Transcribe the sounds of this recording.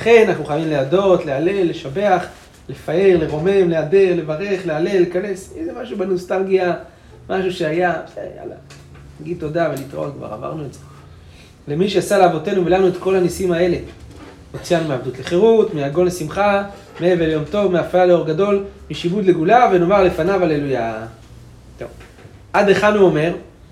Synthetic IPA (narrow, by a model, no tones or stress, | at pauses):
laχe̞naaχuχajavimleado̞t̪le̞ale̞lːe̞ʃabe̞aχ | le̞fae̞ʁleʁo̞me̞mleade̞ʁle̞vaʁe̞χleale̞lːekane̞sizemaʃuʃubanustalɡia | mʔaʃuʃeajaz̥ḛja̰la̰ | naɡid̚tːodavelito̰lkva̰ʁa̰va̰ʁnuetze | lemiʃeasaleavo̞te̞nuvelanuet̪ko̞lhanisimae̞le̞ | mot͡sijanumeavd̪utleχeʁutmeaɡo̞nlesimχa | meeveljo̞mto̞vmeafaaleo̞ʁɡado̞lmiʃibud̪le̞ɡulave̞no̞maʁle̞fanavale̞luja | to̰v | adeχanuome̞ʁ